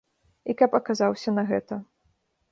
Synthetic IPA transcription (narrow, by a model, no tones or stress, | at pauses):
ikɐpɐkazawsʲɐnɐɣɛt̪ɐ